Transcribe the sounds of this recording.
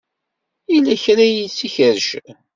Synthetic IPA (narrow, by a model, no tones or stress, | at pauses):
ilæçɾæjit͡sːiçəɾʃ